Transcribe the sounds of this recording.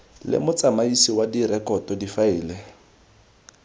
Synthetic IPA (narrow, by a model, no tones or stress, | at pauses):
lɪ̰mʊt͡sʼamaisiwadiɾɛkɔtɔdifaɪːlɛ